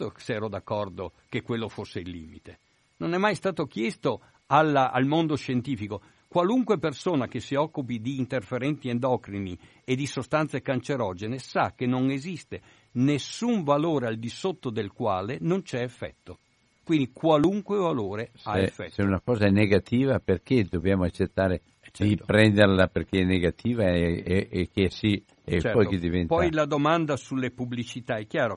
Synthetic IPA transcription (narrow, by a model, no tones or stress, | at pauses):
osɛːɾod̪akːɔrd̪okekːwelːofosːeilːḭːmit̪e | nonɛmːajst̪aːt̪ok̟jɛst̪o | alaa̰lmond̪oʃent̪iːfiko | kwaluŋkwepersoːnak̟esːiɔkːupid̪iːnt̪erfeɾɛnt̪iɛnd̪ɔːkɾini | ed̪isost̪ant̪sekant͡ʃeɾɔːd͡ʒenesakːenoŋezist̪e | nesːuɱvaloːɾeald̪isot̪ːod̪elkwaːlenont͡ʃɛːfːɛ̰t̪ːo | kwind̪ikwaluŋkwevaloːɾesaefːɛseunakɔːzaɛneɡat̪iːvaperked̪objaːmoat͡ʃːet̪ːaːɾe | t͡ʃd̪ipɾɛnd̪erlaperkeɛnːeɡat̪ʰiːvaeekeɛsi | et͡ʃɛppɔjked̪ivɛnpɔjlad̪omand̪asulːepublit͡ʃit̪aɛkːjaːɾo